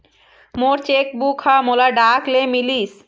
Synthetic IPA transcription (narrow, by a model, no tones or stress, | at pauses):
moɾt͡ɕek̚bukʰamolaɖaklemilis